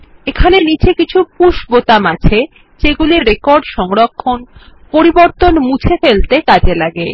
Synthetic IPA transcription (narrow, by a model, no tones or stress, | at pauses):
ekʰanenit͡ɕekit͡ɕʰupuʃbot̪amat͡ɕʰe | d͡ʑeɡuliɾɾekɔɾɖʃɔŋɾokʰːonpoɾiboɾt̪onmut͡ɕʰefelt̪ekad͡ʑelaɡe